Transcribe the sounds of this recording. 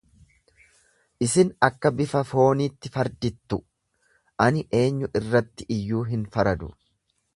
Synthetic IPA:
ʔɪsɪnɐkːɐbɪfɐfo̞ːniːt̪ːɪfɐɾd̪ɪt̪ːʊ | ʔɐnɪʔe̞ːɲːʊʔɪrːɐt̪ːɪʔɪjːuːɦɪnfɐɾɐd̪ʊ̰

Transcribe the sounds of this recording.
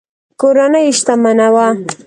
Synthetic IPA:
koɾanəjʃt̪amanawa

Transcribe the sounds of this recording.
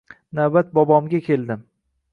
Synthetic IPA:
nawbat̪̚bɒbɒmɡʲakʲʰe̞lˠd̪ɪm

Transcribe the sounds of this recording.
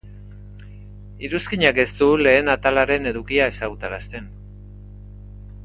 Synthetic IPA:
iɾuskiɲake̞st̪ule̞ːnat̪alaɾe̞ne̞ðukiae̞saɣut̪aɾast̪e̞n

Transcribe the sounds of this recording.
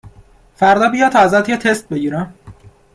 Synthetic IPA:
fæɾd̪ɒːbijɒːt̪ʰɒːzæt̪jet̪ʰest̪̚beɟiːɾæ

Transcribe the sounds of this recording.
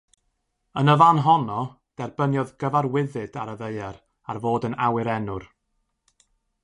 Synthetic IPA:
ənəvanɦɔnɔ | d̥ɛrbənjɔðɡəvarwɪðɨdaɾəðeɨɛɾ | arvoːdənawɨɾɛnʊr

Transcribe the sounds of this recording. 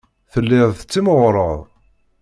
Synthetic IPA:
θəlːɪðˤθət͡sːiməʁɾˤəðˤ

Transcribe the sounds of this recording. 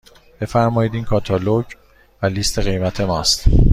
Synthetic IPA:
b̥e̞fæɾmɒːjiːd̪iːnkʰɒːt̪ʰɒloɟ | væliːst̪ʰe̞ɣe̞jmæt̪ʰe̞mɒːst̪

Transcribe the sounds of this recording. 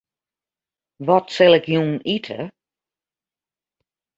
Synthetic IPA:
ʋɔtsɪlˠɪkjuːnitʰə̰

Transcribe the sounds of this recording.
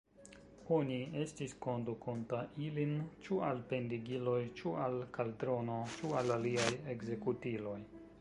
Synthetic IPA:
o̞nie̞stisko̞ndukʰontaʔilint͡ʃualpe̞ndiɡilo̞jt͡ʃualkaldɾo̞no̞t͡ʃualaliaje̞ɡze̞kutilo̞j

